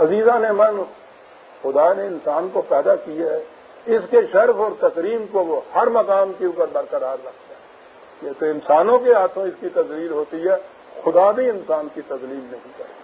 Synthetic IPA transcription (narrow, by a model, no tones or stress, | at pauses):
ɐziːzãnemɐn | xʊd̪aneɪnsaːnkopɛːd̪akijaɦɛ | ɪskeʃɐɾfɔːɾt̪ɐkɾiːmkoʋohɐɾmɐkaːmkeuːp̬əɾbɐɾkɐɾaːɾːɐkʰt̪aː | t̪iɦɛt̪oɪnsaːnõkeɦaːt̪ʰõɪskit̪ɐzliːlɦoːt̪iɦɛ | xʊd̪abʱiɪnsaːnkit̪ɐzliːlnɐɦĩkɐɾeː